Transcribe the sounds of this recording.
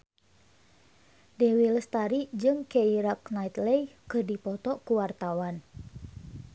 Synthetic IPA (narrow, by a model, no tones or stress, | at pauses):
dɛwiləst̪aɾid͡ʒɨŋkeiɾaknait̪lɛjkɨrdipɔt̪ɔkuwart̪awan